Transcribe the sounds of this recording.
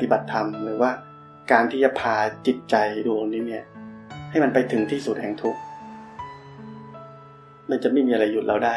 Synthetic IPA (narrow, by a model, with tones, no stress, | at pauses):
t̪i˨˩ba˨˩t̪ʰːa˧mɾɯː˩˦waː˥˩ | kaː˧nt̪ʰiː˥˩t͡ɕa˨˩pʰaː˧t͡ɕi˨˩t̪̚t͡ɕa˧jduː˧t̪ʰo˧ŋniː˦˥ni˥˩ɐha˥˩jma˧npa˧jt̪ʰɯ˩˦ŋt̪ʰiː˥˩su˨˩t̪̚hɛ˨˩ŋt̪ʰu˦˥k̚ | ma˧nt͡ɕa˨˩ma˥˩jmiː˧a˧ɾa˧jːu˨˩t̪̚ɾʔa˧wdaː˥˩